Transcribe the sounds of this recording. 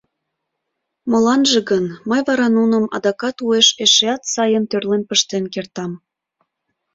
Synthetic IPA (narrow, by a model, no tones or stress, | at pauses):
molɑnʒeɣənməjβɑɾɑnunəmɑ̰d̪ɑkɑt̪ueʃeʃeɑt̪sɑjənt̪ørlenpəʃt̪enkert̪ɑm